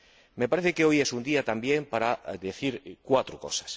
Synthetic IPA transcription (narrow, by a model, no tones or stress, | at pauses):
mepaɾeθɪkeojɛsund̪iat̪ambjeŋpaɾad̪eθiɾkwat̪ɾʊko̰sḁs